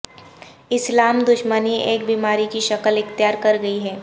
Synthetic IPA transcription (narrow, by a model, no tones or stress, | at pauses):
ɪslaːmd̪ʊʃməniʔeːk̚biːmaːɾikiʃɐkəlɪxt̪jaːɾkɐɾɡɐiɦɛː